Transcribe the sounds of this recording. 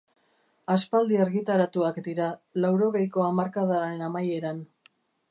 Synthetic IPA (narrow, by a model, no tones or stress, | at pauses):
aspald̪iaɾɣit̪aɾat̪uakd̪iɾalawɾo̞ɣe̞jko̞amaɾkað̞aɾe̞namaje̞ɾan